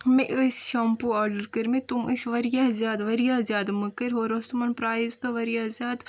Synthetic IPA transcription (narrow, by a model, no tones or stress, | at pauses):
mẽʔəsʃaːmpuaːɾɖəɾkəɾmẽt̪umisʋɐɾijaːzjaːd̪ʋɐɾjaːzjaːd̪mɐkɐɾɦoːɾost̪umɐnpɾaːzt̪ɐʋɐɾijaːzjaːd̪